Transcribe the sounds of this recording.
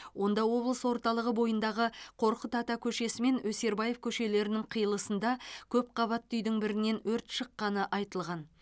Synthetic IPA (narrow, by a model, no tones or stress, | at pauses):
wo̞nd̪ɑwo̞blˠəswo̞ɾt̪ɑlˠəʁəbo̞jənd̪ɑʁəqʰo̞ɾqət̪ʰɑt̪ɑkʲʰɵʃe̞sɪme̞nwɵse̞ɾbɑjefkʲʰɵʃe̞le̞ɾɪnɪŋqʰijəlˠəsənd̪ɑkʲʰɵp̚qʰɑβɑt̪ːʏjd̪ɪŋbɪɾɪne̞nwɵɾt̪ʃəqːɑnəʔɑjt̪əlˠʁɑn